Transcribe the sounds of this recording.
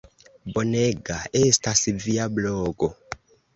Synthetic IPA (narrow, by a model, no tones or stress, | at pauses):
bonɛɡaestasiviablɔːɡɔ